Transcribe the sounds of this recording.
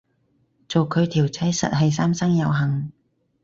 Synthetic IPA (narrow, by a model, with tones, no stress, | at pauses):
t͡so˨wkʰɵ˨˧ɥt̪ʰiː˨˩wt͡sɛ˨˥jsɐ̰˨t̚ɦɐ˨jsaː˥msɐ˥ŋjɐ˨˧wɦɐ˨˩ŋ